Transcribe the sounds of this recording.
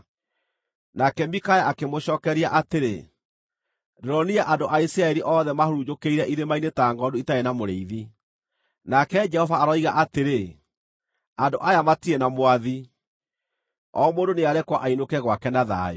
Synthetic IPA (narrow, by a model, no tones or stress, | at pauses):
nakɛmikajaakemoɕɔːkɛɾiaʔateɾḛ | dɛɾɔniaʔandoʔaisɾaɛɾiʔɔːðɛmahoɾud͡ʒokeiɾɛʔiɾemainetaːŋɡɔdoitaenamoɾeiði | nakɛd͡ʒɛhɔvaːɾɔiɣaʔateɾe | andoʔajamatiɛnamwaði | ɔmondoneaɾɛkwaʔainokɛɣwakɛnaða̰o̰